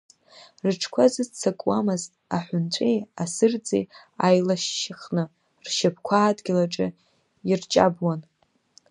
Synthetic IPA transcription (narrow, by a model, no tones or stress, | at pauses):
rɨʈ͡ʂʰkʷʰazɨt͡sʰakʼwamɨztʼaħʷʊnt͡ɕʷʰejasɨrd͡zʼḛj | ajlaʃːaχnɨ | rʃapʰkʷʰaːdʼɡʲɪlaʈ͡ʂʼɨ̰ | irt͡ʃʼa̰bwan